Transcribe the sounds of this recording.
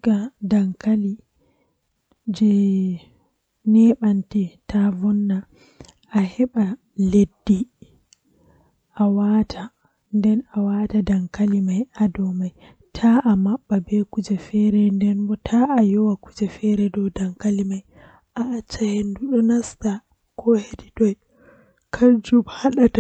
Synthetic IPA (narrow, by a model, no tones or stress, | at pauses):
ɡadaŋkali | d͡ʒɛ | nɛɓantɛtavɔnːa | ʔːhɛɓa | ledːi | ʔawaːtʰa | ndɛnawatadaŋkalimajʔadɔmaj | tʰaʔamaɓːabɛkud͡ʒɛfɛɾɛndɛnbɔtʰaʔajɔwakud͡ʒɛfɛɾɛdɔwdaŋkalimaj | ʔaʔːt͡ʃːahenduɗɔnasta | kɔhediɗɔj | kʰad͡ʒubhaɗata